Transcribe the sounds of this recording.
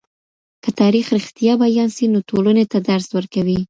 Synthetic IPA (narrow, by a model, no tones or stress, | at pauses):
kət̪ɑɾixɾɪxt̪ijɑbajɑnsinotolənet̪ad̪aɾswəɾkawi